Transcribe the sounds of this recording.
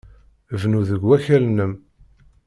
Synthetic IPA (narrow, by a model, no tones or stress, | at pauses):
vnuðəɡwæçælnəm